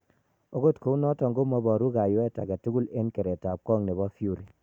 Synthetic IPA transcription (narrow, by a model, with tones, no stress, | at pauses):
o˦ɡo˦tko˨˦u˦nɔ˦tɔ˨ŋɡo˦mɔ˦bɔ˨ɾu˦ɡa˨jo˦ɛ˦ta̰˨kɛ˨tu˦ɡu˦le˦nke˨ɾe˨ta˨p̚kɔ˦ŋne˨bɔ˦fju˦˨ɾi˨